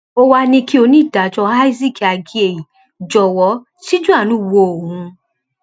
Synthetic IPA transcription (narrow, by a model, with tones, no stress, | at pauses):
o˧wa˧nĩ˧ki˦o˧nĩ˦˨da˨˦d͡ʒɔ˧ha˦i˦zi˦˨ki˨a˨ɡi˨˧˦e˨i˨ | d͡ʒɔ˨wɔ˨˧˦ | ʃi˦d͡ʒũ˦a˦˨nũ˦˨wo˧o˨hũ˧